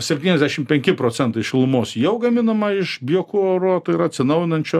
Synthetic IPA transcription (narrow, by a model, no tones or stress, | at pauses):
sʲɛpʲt̪ʲiːnʲɛzʲd̪ʲæʃʲɪmpʲɛŋʲkʲɪpɾoːtt͡ssʲɛnt̪ɐɪʃʲɪlˠʊmoːsjɛʊɡɐmʲɪnɐmɐɪʃbʲjoːkuoɾoːt̪ɐɪiɾɐɐt̪ʲsʲɪnɐʊjɪnɐnʲt͡ʃʲoː